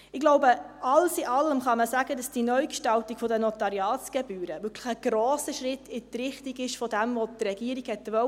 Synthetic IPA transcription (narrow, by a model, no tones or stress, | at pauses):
ɪɡloʊbəɑlsɪʔɑlːəmχɑməsæɡədɑsd̥inœɥkʃtɑltikfɔdənɔt̪ɑɾjɑːt͡sɡ̥ɛbyːɾəʋʏkʰləχəɡ̥ɾoːsəʃɾɪtɪt̪ɾɪχtiɡɪʃfɔdɛmvotɾɛɡiːɾiɡhɛtːʋœ